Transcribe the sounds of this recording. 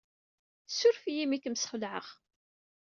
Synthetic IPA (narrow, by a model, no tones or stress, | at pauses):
sːʊɾfijimikəmsχəlʕə̰ʁ